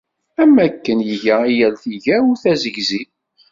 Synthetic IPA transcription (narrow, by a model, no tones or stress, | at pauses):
æmːækːənjəʝæijælθiʝæʊɾθæzəʝzi